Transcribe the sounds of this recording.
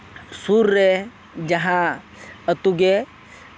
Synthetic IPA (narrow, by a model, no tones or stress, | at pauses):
suɾːe | d͡ʒɐɦã | ɐt̪uɡe